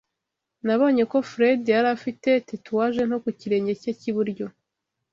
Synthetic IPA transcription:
naβo̞ːɲe̞ko̞fɾedijaɾafite̞tituwaʒe̞n̥o̞kuciɾe̞ːɲɟe̞caciβuɾɟo̞

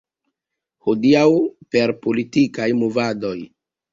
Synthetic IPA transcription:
hodiawpe̞ɾpo̞litikajmovado̞j

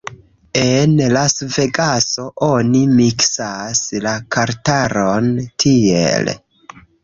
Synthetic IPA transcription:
enlasve̞ɡaso̞ʔo̞nimiksaslakaɾtaɾontʰiḛl

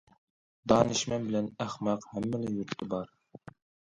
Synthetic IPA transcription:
d̪ɑːnɨʃmɛnbɪlɛnæχmɑqhɛmːɪlɪjuɾt̪ʰːɪbɑɾ

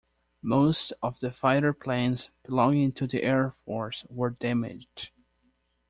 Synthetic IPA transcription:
moʊstʌvðɨfaɪɾə˞pʰl̥ẽnzb̥ɪlɔ̃ŋɪ̃ŋtʰɨðḭʔɛɹfɔɹswə˞dæmɪ̰d͡ʒd̥

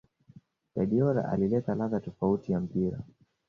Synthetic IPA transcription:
ɗaɗiɔɾa̰ʔa̰lilɛtalaðatɔfautijam̩piɾa̰

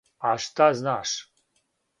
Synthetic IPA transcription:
aʂt̪aznaʂ

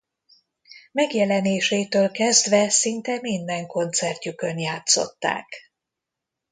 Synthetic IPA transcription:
mɛɡjɛlɛneːʃeːt̪øːlkɛzd̪vɛsint̪ɛmind̪ɛŋko̞nt̪sɛrc̪ukø̞njaːt̪so̞̰t̪ːa̰ːk

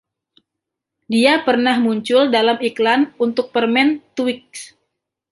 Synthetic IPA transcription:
diapərnahmuɲt͡ʃʊldalamiklanunt̪ʊk̚pərmɛnt̪uwɪk̚s

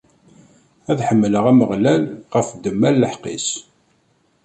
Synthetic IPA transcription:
æðħəmːələʁæməʁlælʁəfd̪əmːælːəħqḭs

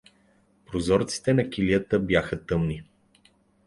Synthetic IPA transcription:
pɾozɔɾt̪si̥t̪ɛnɐkʲiliət̪əbjaxət̪ɤmni

